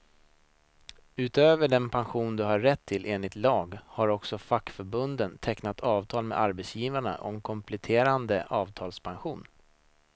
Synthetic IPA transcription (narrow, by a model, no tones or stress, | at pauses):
ʉ̟ːt̪øːvəɖɛnpʰanɧuːnd̪ɵɦaːɛt̪ʰːɪlʔeːnlɪt̪lɑːɡhaɾɔksɔfakːfœɾbɵnd̪ənt̪ʰɛknat̪ʰɑːvt̪ʰɑːlmɛ̰d̪aɾbɛt̪sjiːvaɳa̰ʔɔ̰mkʰɔmpʰlɛt̪ʰeːɾand̪əʔɑːvt̪ʰɑːlspʰanɧuːn